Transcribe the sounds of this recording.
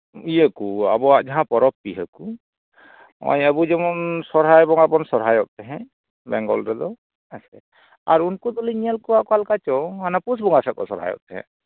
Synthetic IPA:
ijəkua̰bɔaʔd͡ʒaɦãpɔɾɔpːiɦəku | mɔ̰jabud͡ʒɛmɔnsɔɾɦajbɔŋapɔnsɔɾɦajɔʔ̚t̪ɛɦɛ̃ʔ | bɛŋɡɔ̰lɾɛd̪ɔ | asɛ | a̰ɾunkud̪ɔliɲijalkɔwaʔkɔalkat͡ʃɔhanapusbɔŋasak̚ɔ̰sɔɾɦa̰jɔ̰ʔ̚t̪ɛɦɛ̰̃

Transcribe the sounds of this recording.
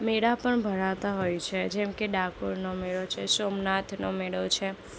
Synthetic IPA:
meɽapəɳbʱəɾaʋt̪aɦojt͡ʃʰed͡ʒɛmkeɖakoɾnomeɭot͡ʃʰesomnat̪ʰnomeɭot͡ʃʰe

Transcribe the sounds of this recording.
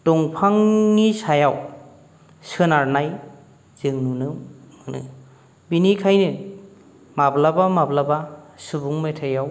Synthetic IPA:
dɔŋpʰaŋːisajaw | sɯnaɾnaj | z̥ɯŋnunɯmɯnɯ̰ | binikʰajnɯ | mablabamablabasɯbuŋmetʰajaw

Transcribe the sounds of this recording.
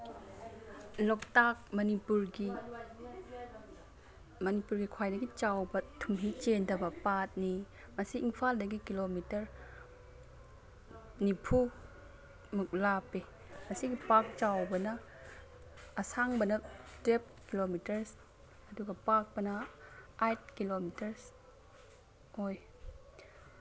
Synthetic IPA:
lɔk̚tak̚mɐnipuɾɡi | mɐnipuɾɡikʰwajdɐɡit͡ʃawbɐtʰumɦit͡ʃendɐbɐpat̚ni | mɐsiʔːŋpʰaldɐɡikilomitɐɾ | nipʰu | muk̚lapːi | mɐsiɡipak̚t͡ʃawbɐnɐ | saŋbɐnɐtep̚kilomitɐɾs | ɐduɡɐpak̚bɐnɐajt̚kilomitɐɾs | oj

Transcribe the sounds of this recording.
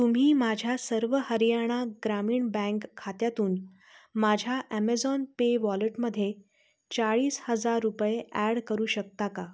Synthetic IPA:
t̪um̤iːmad͡ʑʱjasəɾʋəhəɾijaɽ̃aɡɾamiːɳbɛ̃ŋkʰːat̪jat̪uːn | mad͡ʑʱjaʔæmed͡zɔnpeʋɔleʈməd̪ʱːje | t͡ɕaɭiːshəd͡zaɾːupjeæɽkəɾuːɕək̚t̪aka

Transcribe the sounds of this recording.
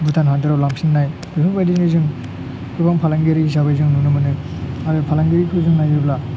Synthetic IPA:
butʰanɦadɯɾawlamsiŋnaj | bipʰɯbajdinɯzɯŋ | kʰɯbaŋpʰalaŋɡeɾiisabajzɯŋnunɯmɯnɯ | aɾɯpʰalaŋɡeɾikʰɯzɯŋnajɯbla

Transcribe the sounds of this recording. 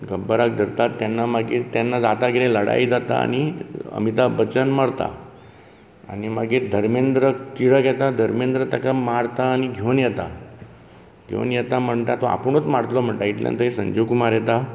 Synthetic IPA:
ɡəbəɾak̚d̪ʱəɾt̪at̪ːjanːamaɡiɾt̪anːad͡zat̪aɡiɾẽləɽa̰id͡zat̪a̰a̰ñiə̰mit̪abət͡ɕənmaɽt̪a̰ | a̰nimaɡiːɾd̪ʱəɾmend̪ɾət̪iɾəkjɛt̪ad̪ʱəɾmend̪ɾət̪akamaɽt̪aːniɡʱewnjɛt̪a̰ | ɡʱḛnjɛt̪am̤əɳʈ̪at̪ɔa̰pəɳot͡smaɽt̪lɔm̤əɳʈ̪aiʈ̪ljã̰nt̪əɦesə̃ɲd͡ʑokumaɾjɛt̪a

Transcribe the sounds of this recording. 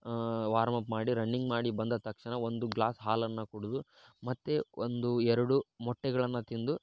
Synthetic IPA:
ʋaːɾmɐpmaːɽiɾɐɳːiŋɡmaːɽibɐnd̪ɐt̪ɐkʂɐɳɐo̞nd̪uɡlaːsɦaːlɐnːɐkuɽud̪u | mɐt̪ːeond̪uɛɾɐɽumɔʈːɛɡɐɭɐnːɐt̪ind̪u

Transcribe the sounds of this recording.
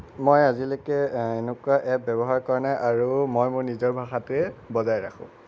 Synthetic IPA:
mojazilɔkɛenukuaʔɛbɔbɔɦaɹkaɹnɛʔaɹumojmʊɹnizɔɹbʱaxatʊɛbɔzajɹaxʰʊ̰̃

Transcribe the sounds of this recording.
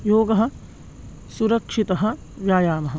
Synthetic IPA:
joːɡɐɦɐ̆ | suɾɐkʂit̪ɐɦɐ̆ | ʋjaːjaːmɐɦɐ

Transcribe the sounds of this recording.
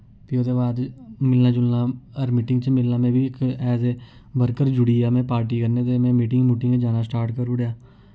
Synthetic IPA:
piːoːd̪eːbaːd̪mɪlnãːd͡ʒʊlnãːəɾmɪːʈɪŋɡt͡ʃmɪlnaːmɛ̃ːbiːɪkɛːzeː | bəɾkəɾd͡ʒʊɽiːaːmɛ̃ːpaːɾʈiːkəɾneːt̪eːmɛ̃ːmiːʈɪŋɡmʊʈɪ̃ŋɡd͡ʒaːnaːsʈaːɾʈkəɾʊɽjaː

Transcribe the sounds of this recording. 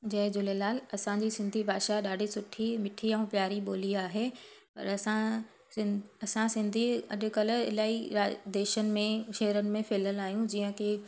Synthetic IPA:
d͡ʑɐɦɪd͡ʑʊlelaːlɐsãɲd͡ʑisɪ̃nd̪ʱibʱaːʃaɗaːɖʱisʊʈʰːimɪʈʰiɛ̃ːpjaːɾiɓoːliaːɦe | pɐ̰ɾɐsã | ɐsãsɪ̃nd̪ʱiɐ̰ɗʊ̆kɐləɪ̰laːiɾaːd̪eːʃənɪ̆mẽʃɐɦɾənɪ̆mẽfʰeːləlaːɦijũd͡ʑiːə̃kʰeː

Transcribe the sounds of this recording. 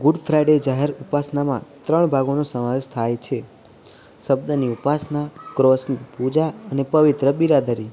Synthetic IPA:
ɡuɖfɾajɖed͡ʒaɦeɾupasnamã̰t̪ɾəɳ̃bʱaɡonosəmaʋeʃt̪ʰajt͡ʃʰe | ʃəbd̪əniupasnakɾɔsnipud͡ʒaənepəʋit̪ɾəbiɾad̪əɾi

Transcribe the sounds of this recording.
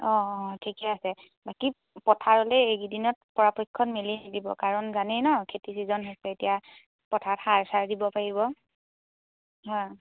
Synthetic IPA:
ɔtʰikɛasɛ | baki | pɔtʰaɹɔlɛeɡidinɔt̚pɔɹapɔjkʰːɔnmelinadibɔ̰kaɹɔnzanɛnɔkʰetisizɔnɦɔsɛetija | pɔtʰatxaɹsaɹdibɔpaɹiβɔ | ɦɔj

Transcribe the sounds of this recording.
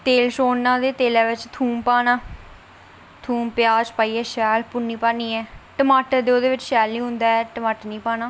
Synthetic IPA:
t̪eːlʃoːnːãːd̪eːt̪eːlaːʋɪt͡ʃt̪ʰuːmpaːnaː | t̪ʰuːmpjaːd͡ʒpaːiːɛːʃɛːlpʊnːiːpaːniːɛːʈəmaːʈəɾd̪eːoːd̪eːʋɪt͡ʃʃɛːlniːɦʊnd̪aːɛːʈəmaːʈəɾnĩːpaːnaː

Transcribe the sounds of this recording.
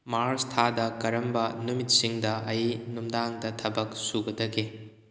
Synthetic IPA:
maɾstʰadɐkɐɾɐmbɐnumit̚siŋdɐʔɐjnumdaŋdɐtʰɐbɐk̚suɡɐdɐɡe

